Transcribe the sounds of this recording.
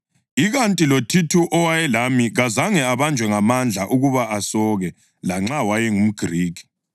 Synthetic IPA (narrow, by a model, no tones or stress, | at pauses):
iɣantʼilotʰitʰuʔɔwajɛlamiɣazaŋɛaβand͡ʒʱwɛŋamand͡ɮʱaʔuɣuβaʔasɔːɣɛ | laŋ͡ǁawajɛŋum̩ɡ̥ʱriːki̥